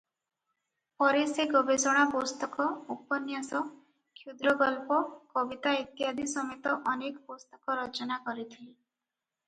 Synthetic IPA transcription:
pɔɾeseɡɔbesɔɽ̃apɔst̪ɔkɔupɔnjasɔ | kʰjud̪ɾɔɡɔlpɔkɔbit̪ait̪jad̪ʱisɔmet̪ɔʔɔnekpɔst̪ɔ̥kɔɾʌt͡ʃɔnakɔɾit̪ʰili

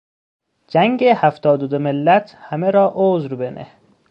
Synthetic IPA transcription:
d͡ʒæŋɡehæft̪ɒːd̪od̪omelːæt̪ʰhæmeɾɒːʔoːzɾbenʔe

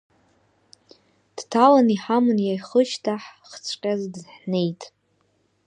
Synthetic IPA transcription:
d̥tʰalaniħamɨnjajχəʃtʰaħχt͡sʷʰʼqʲʼazdħne̞jtʼ

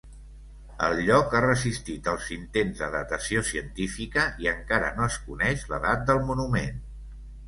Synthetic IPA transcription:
ə̰lˠʎɔkarəzist̪it̪əlˠzint̪enzðəðət̪əsiosiənt̪ifikəiəŋkaɾə̰noəskunɛʃlə̰ðat̪̚d̪əlˠmunumen

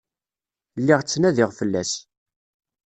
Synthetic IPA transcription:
lːɪʁt͡sːnæðɪʁfəlːæs

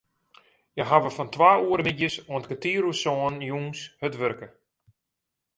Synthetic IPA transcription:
jəɦaʋəfɔntʋaːuəɾəmidjəsoəntɡətiːɾusɔənjuŋshətʋørkə

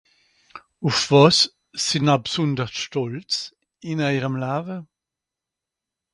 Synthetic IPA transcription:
ufv̥ɔsː | inabsundəʁsʃtɔlt͡s | inajʁəmlaːvə

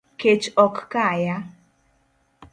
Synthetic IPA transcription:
ket͡ʃɔkkaːjɐ

